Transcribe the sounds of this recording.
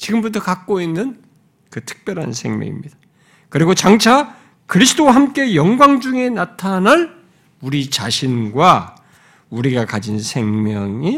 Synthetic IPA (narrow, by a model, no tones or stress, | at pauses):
t͡ɕiɡɯmbutʰʌkak̚k͈oinːɯn | kɯtʰɯ̥k̚p͈jʌɾɦa̰nsʰe̞̰ŋmjʌ̰ŋḭmɲid̥a | kɯɾiɡot͡ɕaŋt͡ɕʰa | kɯɾisʰɯd͈owaɦamk͈e̞jʌŋɡwaŋd͡ʑuŋe̞natʰanɦan | uɾit͡ɕaɕʰinɡwa | uɾiɡakad͡ʑinsʰe̞ŋmjʌŋi